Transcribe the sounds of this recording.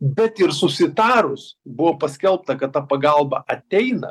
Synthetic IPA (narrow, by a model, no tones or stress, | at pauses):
bʲɛt̪ɪɾsʊsʲɪt̪ɑːɾʊsbʊʋoːpɐsʲkʲɛlˠp̚t̪ɐkɐt̪t̪ɑːpɐɡɐlˠbɐ̰ʔɐt̪ʲɛɪnɐ̰